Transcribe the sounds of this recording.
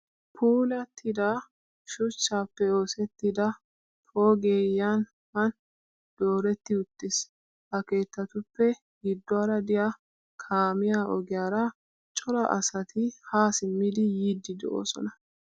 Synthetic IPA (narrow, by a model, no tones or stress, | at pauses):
pʰuːlɐt̪ʰːɪd̪a | ʃʊt͡ʃːaːpːɛo̞ːsɛt̪ːɪd̪ɐ | pʰo̞ːɡeːjːan | hɐn | d̪̥o̞ːɾɛt̪ːɪʊt̪ːɪs | hɐke̞ːt̪ːɐt̪ʊpːɛ | ɡɪd̪ːɔɐɾɐd̪ɪja | kʰaːmɪjaːʔɔɡɪjaːɾɐ | t͡ʃʼɔlɐʔɐ̰sɐt̪ʰɪhaːsɪmːɪd̪ɪjiːd̪ːɪd̪ɛo̰ːsɔ̰nɐ